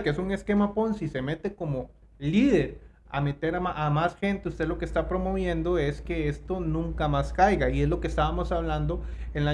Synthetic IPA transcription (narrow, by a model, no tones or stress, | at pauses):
keesuŋe̞ske̞mapo̞nsise̞me̞t̪e̞ko̞mo̞ | liðe̞ɾ | a̰me̞t̪e̞ɾaaʔamasxe̞nt̪eust̪e̞lo̞kest̪apɾo̞mo̞β̞je̞nd̪o̞e̞ske̞est̪o̞nũŋkamaskajɣaie̞zlo̞kest̪aβamo̞saβland̪o̞enla